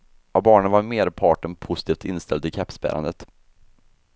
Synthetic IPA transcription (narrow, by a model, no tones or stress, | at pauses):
abɑːɳənvaɾmeːɾpʰɑːʈənpʰʊsɪt̪ʰiːft̪ɪnst̪ʰɛld̪ɪkʰɛpspæ̰ɾʔa̰nd̪ət̪